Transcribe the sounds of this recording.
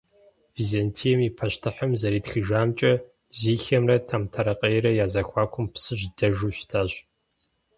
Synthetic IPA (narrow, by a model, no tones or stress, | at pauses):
vizɐntʰijɛmipʰɐɕtʰɨħɐmzɐɾiːtxɨʒaːmt͡ʃʼɐ | ziːxɐmrɐtʰamtʰɐɾɐqʼejɛɾɐjaːzɐxʷɑːkʷʰʊmpsɨɕdɐʒuːɕtʰaːɕ